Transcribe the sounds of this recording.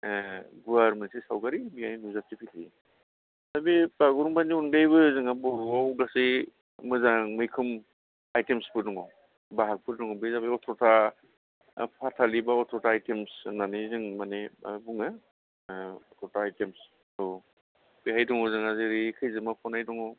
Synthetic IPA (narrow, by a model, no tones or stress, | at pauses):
ɡuaɾmɯnsisawɡaɾibihajnuzatipʰilʰi | zabibaɡuɾumbaniunbejbɯzɯŋabɔɾuawɡasi | mɯzaŋmɯjkʰɯm | ajtemspɯɾduŋaw | baɦak̚pʰɯɾdɔŋawbizabiɔtʰɔtʰa | pʰatʰalibaɔtʰɾɔtaːjtemsnanizɯŋmanebuŋɯ | ɔtʰɔtʰaːjtems | dɔ | biɦajdɔŋawzɯŋazɯɾikʰɯjzɯmapʰɔnajdɔŋaw